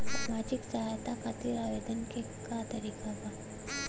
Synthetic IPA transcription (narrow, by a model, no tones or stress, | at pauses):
samad͡ʒiksəɦajt̪akʰat̪iːɾaʋed̪ənke | kat̪əɾiːkaba